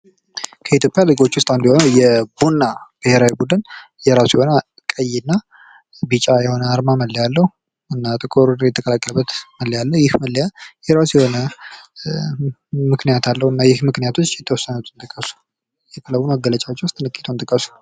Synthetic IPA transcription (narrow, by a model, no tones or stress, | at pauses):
kʰəit̪ʰjo̞pʼjalɨɡo̞t͡ʃːwʊst̪ʼand̪iho̞nəjɛbunːab̥ɨheɾawibud̪ɨn | jɛɾasjɛho̞na | kʼəjːɪnːa | bit͡ʃʼajɛho̞nəaɾmaməlːijalːəhu | ɨnːat̪ʼɨkʼoɾudjɛt̪ʰəkʼəlakʼːələbːət̪məlːijalːəhjɪhməlːjajɛɾasjɛho̞nə | mɨknijat̪ʰalːəhɨnːajɪhmɨknijat̪ʰo̞t͡ʃːjɛt̪ʰːəwɔsːənut̪ʰɨnt̪ʼɨkʼːəsu̥ | jɛt̪ʰələwunməɡːələt͡ʃʼawt͡ʃːɛwʊst̪ʼɨnɨkʼːit̪ʰəwnt̪ʼɨkʼːəsu̥